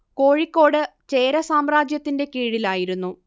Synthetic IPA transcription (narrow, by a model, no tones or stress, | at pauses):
ko̞ːɻikːo̞ːɽɨt͡ɕeːɾɐsaːmraːd͡ʑjɐt̪ːinde̞kiːɻilaːjiɾunːu